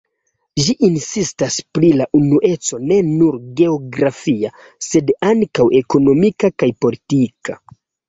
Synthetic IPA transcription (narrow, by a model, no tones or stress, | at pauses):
ʒiʔinsistaspɾilaʔunuʔe̞t͡so̞ne̞nuɾɡe̞o̞ɡɾafia | se̞daŋkawʔe̞ko̞no̞mikakajpo̞litika